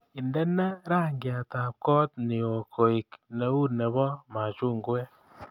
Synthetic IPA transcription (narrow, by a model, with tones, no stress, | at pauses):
i˨ndɛ˦na˦ɾa˦˨ŋɡja˨ta˨p̚kɔ˦tnɪ˨o˨kʰo˨i˨kne˦u˦nɛ˨βɔ˦ma˨t͡ʃu˦˨ŋɡɛ˦